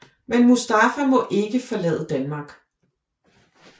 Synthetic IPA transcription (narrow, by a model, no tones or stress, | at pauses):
menmusd̥ɑfɐmɒ̽ʔe̝ɡ̥əfɒ̽lɛ̰ːðˠəd̥ænmɑ̈ːɡ̥